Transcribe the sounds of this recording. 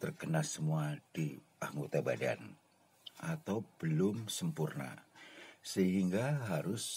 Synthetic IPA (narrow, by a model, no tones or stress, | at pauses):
t̪ərkənasəmuad̥i | aŋɡot̪abada̰n | ʔat̪awbəlʊmsəmpurna̰ | səɦiŋɡaɦaɾʊs